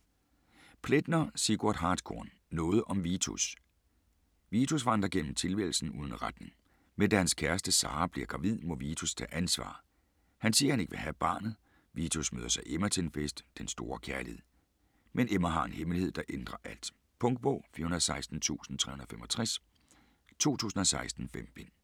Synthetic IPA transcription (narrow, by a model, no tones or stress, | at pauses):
pʰled̥nɐsiɡ̥uɐ̰d̥ɦɑ̈ːd̥kʰɔ̰ːnːɔ̽ːð̞ˠʔɒ̽mʋiːt͡sʰṵs | ʋiːt͡sʰusʋɑn̰d̥ɐɡ̥en̰m̩t͡sʰe̝lʋel̩sn̩uːðˠn̩ʁad̥ne̝ŋ | mend̥æhænskʰæɐsd̥əsɑ̈ːb̥liɐɡ̥ʁɑ̈ʋið̰ˠmɔ̽ʋiːt͡sʰust͡sʰæ̰ʔænsʋɑ̰̈ː | hænsiːɐhæne̝ɡ̥ʋe̝ɦæb̥ɑ̈ːnð̩ˠ | ʋit͡sʰusmø̰ːðˠɐsɑ̈ɪʔemæt͡sʰe̝nfesd̥ːensd̥o̝ːɐkʰæɐlihe̝ð̰ˠ | menʔemæɦɑ̈e̝nhemlihe̝ð̞̰ˠd̥ɑ̈ʔend̥ʁɐʔæl̰d̥ | pʰɔ̽ŋɡ̥̚b̥ɔ̰̽ːfiːɐhunɐðˠsɑ̈ɪsd̥n̩t͡sʰṵːsn̩t͡sʰʁɛ̰ːhunðˠfemɒt͡sʰʁɛs | t͡sʰo̝̰ːt͡sʰṵːsn̩ɒ̽sɑ̈ɪsd̥n̩fem̰b̥e̝n